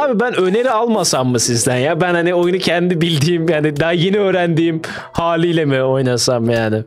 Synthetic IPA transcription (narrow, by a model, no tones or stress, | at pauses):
aːbibænø̞ne̞ɾialˠmasamːɯsizd̪ænjabænhanio̞junucʰɛnd̪id̪ibilʲd̪iːmjaːnɪd̪aɦajenɛøːɾænd̪iːm | haːlʲijlʲemɪo̞jnasamjaːnɪ